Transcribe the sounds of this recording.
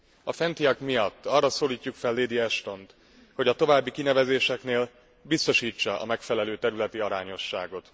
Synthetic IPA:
ɒfɛnt̪ijɒkmijɒt̪ːɒrːɒsoːliːcːukfɛlːeːd̪iɛʃt̪o̞nt̪ | ho̞ɟɒt̪o̞vaːbːikinɛvɛzeːʃɛkneːl | bist̪o̞ʃiːt͡ʃːɒʔɒ̰mɛkfɛlɛløːt̪ɛɾylɛt̪iɒɾaːɲo̞ʃːa̰ːɡo̞t̪

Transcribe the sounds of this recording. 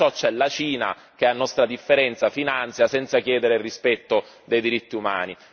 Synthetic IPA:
ɔt͡ʃːɛlat͡ʃiːna̰ | k̟eanːɔst̪ɾad̪ifːeɾɛnt̪safinant̪sjasɛnt̪sakjɛːd̪eɾeirːispɛt̪ːod̪ejd̪iɾit̪ːiuma̰ːni

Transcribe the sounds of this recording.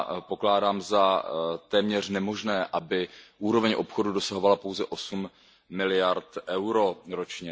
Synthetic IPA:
po̞klaːdaːmzat̪ɛːmɲɛr̝nɛmo̞ʒnɛːʔabɪʔuːɾo̞vɛɲʔo̞pxo̞dudo̞saɦovalapowzɛʔo̞sumː | ɪlɪjaɾt̪ʔɛwɾo̞ɾo̞t͡ʃɲɛ

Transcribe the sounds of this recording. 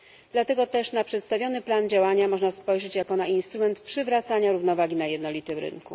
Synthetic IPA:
d̪lat̪ɛɡɔt̪ɛʂnapʂɛt̪st̪avʲjɔnɘpland͡ʑawaɲamɔʐnaspɔjʐɛt͡ɕjakɔnaʔinst̪ɾumɛnt̪pʂɘvɾat̪saɲaɾuvnɔvaɡʲinajɛd̪nɔlʲit̪ɘmɾɘ̰nku

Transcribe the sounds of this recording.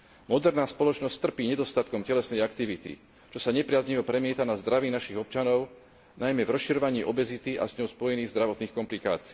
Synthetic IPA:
mɔd̪ɛɾnaːspɔlɔt͡ʃnɔst̪r̩piːɲɛd̪ɔst̪at̪kɔmcɛlɛsnɛjakt̪iʋit̪ḭ | t͡ʃɔsaɲɛpɾɪazɲiʋɔpɾɛmɪɛt̪anazd̪ɾaʋiːnaʃiɣɔp̚t͡ʃanɔʊ | najmɛvɾɔsʃiɾɔʋaɲiːʔɔbɛzit̪iʔa̰zɲɔʊspɔjɛniːɣzd̪ɾaʋɔt̪niːxkɔmplika̰ːt͡siː

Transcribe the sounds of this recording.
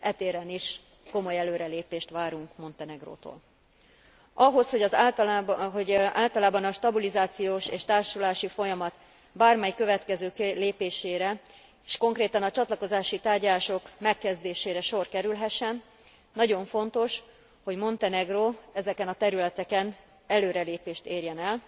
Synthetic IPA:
ʔɛt̪eːɾɛniʃ | ko̞mo̞jɛløːɾɛleːpeːʃt̪ʋaːɾuŋkmo̞nt̪ɛnɛɡro̰ːt̪o̰ːl | ɒɦo̞sho̞ɟɒz | ɦoɟaːlt̪ɒlaːbɒnɒʃt̪ɒbilizaːt̪sijoːʃeːʃt̪aːrʃulaːʃifo̞jɒmɒt̪ | baːrmɛjkø̞vɛt̪kɛzøːkleːpeːʃeːɾɛ | eʃko̞ŋkreːt̪ɒnɒt͡ʃɒt̪lɒko̞zaːʃit̪aːrɟɒlaːʃo̞kmɛkːɛzd̪eːʃeːɾɛʃo̞rkɛɾylɦɛʃːɛnː | ɒɟo̞ɱfo̞nt̪o̞ʃ | ho̞ɟmo̞nt̪ɛnɛɡroːɛzɛkɛnɒt̪ɛɾylɛt̪ɛkɛn | ɛløːɾɛleːpeːʃt̪eːrjɛnɛl

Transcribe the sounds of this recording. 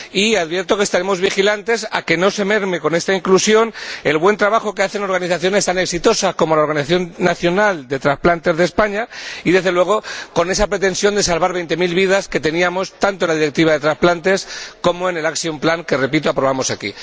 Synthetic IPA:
iaðβje̞ɾt̪o̞kest̪aɾe̞mo̞zβixilant̪e̞sa̰ke̞no̞se̞me̞ɾme̞ko̞ne̞st̪aiŋklusjo̞ne̞lβwe̞nt̪ɾaβaxo̞ke̞aθe̞no̞ɾɣaniθaθjo̞ne̞st̪ane̞ksit̪o̞sako̞mo̞laoɾɣaniθaθjo̞nːaθjo̞nald̪e̞t̪ɾasplant̪e̞zðe̞spaɲaiðe̞zðelwe̞ɣ̞o̞ko̞ne̞sapɾe̞t̪e̞nsjo̞nd̪e̞salβaɾβ̞e̞jnt̪e̞milβiðaske̞t̪e̞niamo̞st̪ant̪onlaðiɾe̞k̚t̪iβaðe̞t̪ɾasplant̪e̞sko̞moe̞ne̞laksjomplaŋke̞re̞pit̪oapɾo̞βamo̞sakḭ

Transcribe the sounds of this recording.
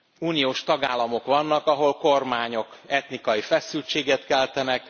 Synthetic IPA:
uːnijoːʃt̪ɒɡaːlːɒmo̞kʋɒnːɒkɒɦo̞lko̞rmaːɲo̞kɛt̪nikɒjifɛsylt͡ʃeːɡɛt̪kɛlt̪ɛnɛk

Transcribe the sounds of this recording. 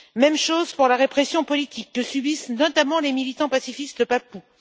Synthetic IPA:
mɛmʃozpuʁlaʁepχesjɔ̃pɔlit̪ʰikːəsybisnɔt̪amɑ̃lemilit̪ɑ̃pasifist̪d̪əpapu

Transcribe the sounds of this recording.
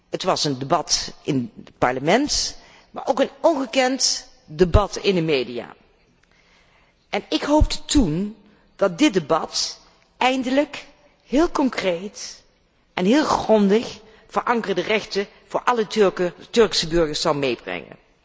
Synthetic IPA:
ətʋɑsəndəbɑtɪnət̚pɑ̰ɹləmɛnt | ma̰ːɹʔowkənɔnχəkɛnt | debɑtɪ̰ndəmejdija̰ː | ʔɛnɪkɦowp̚dtun | d̥ɑt̚dɪt̚debɑt | ɛjndələk | ɦɪːlˠkɔŋkrejt | ʔɛnɦɪːlˠχrɔndəχ | v̥ərʔɑŋkərdərɛχtə | v̥ʊːɹʔɑlˠətɵɹksəbɵɹɣəɹsɑlˠmejbrɛ̰ŋə̰n

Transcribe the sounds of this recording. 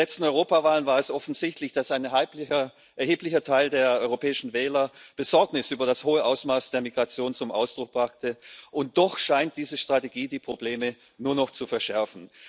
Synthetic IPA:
ɛt͡stn̩ɔʏʁoːpavaːlənvaːɐɛsʔɔfn̩zɪçtlɪçd̥asaɪn | ʔɛɐheːplɪçɐtʰaɪldeːɐʔɔʏʁopʰɛːɪʃn̩vɛːlɐb̥əzɔɐknɪsyːbɐɾashoːəʔaʊsmaːsd̥eːɐmiɡʁat͡sjoːnt͡sʊmʔa̰ʊsd̥ʁʊk̚b̥ʁaχtəʔʊnt̚d̥ɔχʃaɪnt̚d̥iːzəʃtʁ̥ateɡiːdiːpʁ̥obleːmə | nuːɐnɔχt͡sufɛɐʃɛɐfn̩

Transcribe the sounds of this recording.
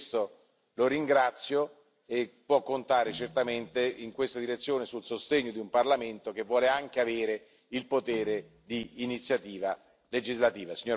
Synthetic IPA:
st̪o | loɾiŋɡɾat̪sːjo | epːwɔkːont̪aːɾet͡ʃert̪ament̪eiŋkwest̪ad̪iɾet̪sːjoːnesulsost̪eɲːod̪iumparlament̪ok̟evːwɔːleaŋk̟eaveːɾe | ilpot̪eːɾe | d̪iːnit̪sːjat̪iːva | led͡ʒizlat̪iːvasiɲːoɾ

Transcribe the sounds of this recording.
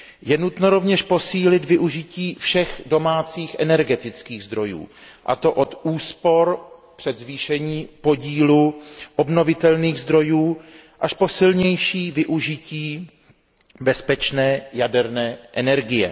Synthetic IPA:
jɛnut̪noɾo̞vɲɛʃpo̞siːlɪd̪vɪʔuʒɪciːfʃɛxdo̞maːt͡siːxʔɛnɛɾɡɛt̪ɪt͡skiːɣzd̪ɾo̞jṵːʔa̰t̪o̞ʔo̞t̪ʔuːspo̞ɾpr̥ɛd̪zviːʃɛɲiːpo̞ɟiːluʔo̞bno̞vɪt̪ɛlniːɣzd̪ɾo̞juː | ʔaʃpo̞sɪlɲɛjʃiːvɪʔuʒɪciː | bɛspɛt͡ʃnɛːjadɛɾnɛːʔɛnɛɾɡɪjɛ̰

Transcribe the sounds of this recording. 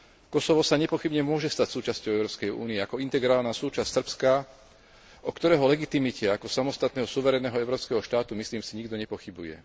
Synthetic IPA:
kɔsɔʋɔsaɲɛpɔxibɲɛmʊɔʒɛst̪acsuːt͡ʃascɔʊɛʊɾɔːpskɛjṵːniɛakɔint̪ɛɡɾaːlnaːsuːt͡ʃassr̩pska | ʔɔkt̪ɔɾɛːɦɔlɛɡit̪imicɛakɔsamɔst̪at̪nɛːɦɔsuʋɛɾɛnɛːɦɔɛʊɾɔːpskɛɦɔʃt̪aːt̪umisliːmsiɲiɡd̪ɔɲɛpɔxibujɛ̰

